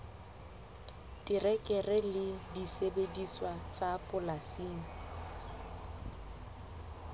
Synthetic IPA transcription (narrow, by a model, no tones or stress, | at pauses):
tʼɪrɛkʼɛrɪlɪdisebediswat͡sʼapʼʊlasiːŋ̩